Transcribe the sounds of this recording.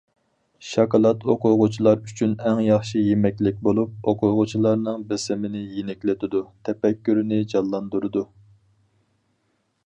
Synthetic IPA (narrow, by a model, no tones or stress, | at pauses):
ʃɑkɑlˠɑt̪oqʰʊʁʊt͡ʃʰilˠɑɾyt͡ʃʰynɛŋjɑχʃijemɛkʲlɪk̚ʲbolˠup̚oqʰʊɾʁʊt͡ʃʰilˠɑɾnɨŋbɪsɪmɪnɪjenɪkʲlɪt̪ʰɪd̪ut̪ʰɛpɛkʲːyɾɪnɪd͡ʒɑlˠːɑnd̪uɾɨd̪u